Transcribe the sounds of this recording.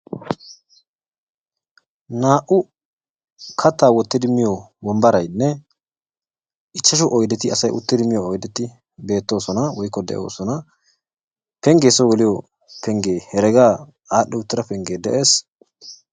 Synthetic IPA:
naːʔʊ | kʰɐt̪ːaːwɔt̪ːɪd̪ɪmɪjɔwɔmbɐɾɐjnːɛ | ɪt͡ʃːɐʃɔʔɔjd̪ɛt̪ɪɐsɐjʊ̰t̪ːɪd̪ɪmɪjɔːjd̪ɛt̪ːɪ | be̞ːt̪ːo̞ːsɔnɐwɔjkːɔd̪ɛ̰ʔo̰ːsɔnɐ | pɛŋɡeːsɔwɔlɪjɔ | pʰɛŋɡeːhɛɾɛɡaː | aːɗːɛʊt̪ːɪɾɐpɛŋɡeːd̪ɛʔe̞ːs

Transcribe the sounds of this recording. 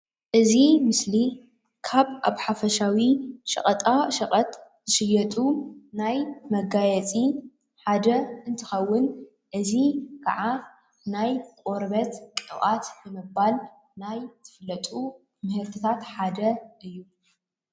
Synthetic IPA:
ʔɨzimɨsli | kʰaβa̰βħafɐʃawiʃʼɐ̰χʼɐt̪ʼaʃɐχʼɐt̪ | zɨʃɨjːɐt̪ʼunajmɐɡajɛt͡sʼi | ħad̪ɐɨnt̪ʰɨxɐwːʊn | ʔɨzikʰa̰ʕa | najkʼo̞ɾbɐt̪kʼɨwʔat̪bɨmɨbal | najt̪ʰɨ̥flːɐt̪ʼu | mɨhɨɾt̪ʰɨt̪ʰat̪ħad̪ɐʔɨjːu

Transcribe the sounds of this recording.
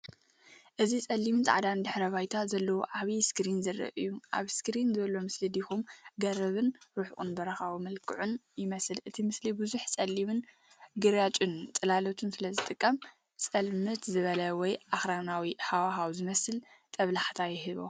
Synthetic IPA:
ʔɨzit͡sʼɐlːimɨnt̪ʰʼʕd̪and̪ɨħɾɐβajt̪ʰazɐlːɐwoʕaβiskɾinzɐɾɨ̰ʔɨ̰jːuʔa̰βskɾinzɨβɐlomɨslid̪ixumɡɐɾɐβɨnɾuħʔʼṵnbɐɾɐxawumɐlkʰɨʕunjɪmɐsɨlʔɨt̪ʰimɨslibɨzuħt͡sʼɐlːimɨn | ɡɨɾjat͡ʃʼunt͡sʼɐlalot̪ʰunsɨlɐzɨt̪ʼɨkʼːɐm | t͡sʼɐlmɨt̪zɨβɐlɐwɔjʔaxɾanawiħawaɦawzɨmɐsɨlt̪ʼɐβlaħt̪ʰajɪɦɨβo̰

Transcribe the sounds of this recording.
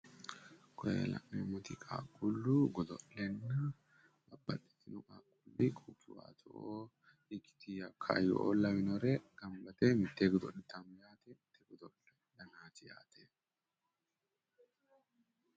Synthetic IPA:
kʰɔjḛlɐ̰kʼnemʊt̪ɪkʼa̰ːkʼulːuɡɔd̪ɔlːɛnːɐ | bɐbɐt̪ːi̥t̪ːɪnʊkʼaːkʼulːikʼukːɪwa̰ːt̪ʰɔʔo | ɪkɪ̥t̪ijɐkʰːa̰ːjɔ̰ʔoːlːɐwɪnɔɾɛɡ̥ɐmbɐt̪emɪt̪ːeːɡɔd̪ɔlɪt̪ːanʊjaːt̪ɛmɪt̪ːeɡɔd̪ɔlɛ | dɐnaːt̪ɪja̰ːt̪ʰe

